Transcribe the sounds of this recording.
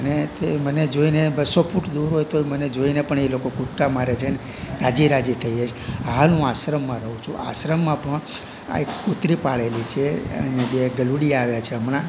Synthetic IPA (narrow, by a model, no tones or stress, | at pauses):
ənet̪eməned͡ʒoinebəsofʰuʈd̪uɾɦojt̪oməned͡ʒoinepəɳelokokut̪kamaɾet͡ʃʰene | ɾad͡ʒiɾad͡ʒit̪ʰəid͡ʒat͡ʃʰealũasɾəmːãɾəɦũt͡ʃʰṵ̃a̰sɾəmːãpəɳ | a̰ekkut̪ɾipaɭelit͡ʃʰeə̰nebeɡəluɽiaʋjat͡ʃʰeəmnã